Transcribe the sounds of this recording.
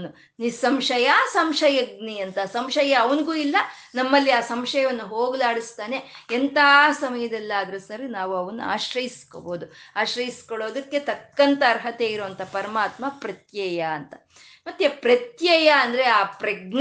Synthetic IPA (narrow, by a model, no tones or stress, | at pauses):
nu | nisɐmʂɐjɐsɐmʂɐjɐɡniɐnt̪ɐsɐmʂɐjɐːʋɐnɡuːilːɐnɐmːɐlːiaːsɐmʂɐjɐʋɐnːuɦoːɡlaːɽist̪aːne̞ent̪asɐmɐjɐd̪ɛlːɐaːd̪ɐɾɐsɐɾinaːʋuɐʋɐnːṵa̰ːʃɾɐjisko̰boːd̪uaːʃɾɐjiskoɭoːd̪ɐkːe̞t̪ɐkːɐnt̪ɐːɾɦɐt̪eiɾoʋɐnt̪ʰɐpɐɾɐmaːt̪mɐpɾɐt̪jɐjɐːnt̪ɐ | mɐt̪ːjepɾɐt̪jɐjɐːnd̪ɐɾeaːpɾɐɡn